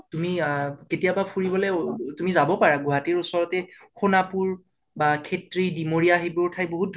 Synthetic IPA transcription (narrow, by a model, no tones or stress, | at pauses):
tumiketijabapʰuɹibɔlɛtumizabɔpaɹaɡuɦatiɹusɔɹɔtɛxunapuɹ | bakʰetɹidimoɹijaɦibuɹtʰajboɦut̚d